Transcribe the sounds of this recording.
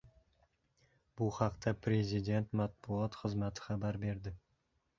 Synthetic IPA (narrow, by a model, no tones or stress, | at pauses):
bʊhɑqt̪ʰapʰɾe̞zid̪e̞nt̪mat̪̚bʊɒt̪χɨzmat̪ʰɪ̥χabaɾbe̞ɾd̪ɪ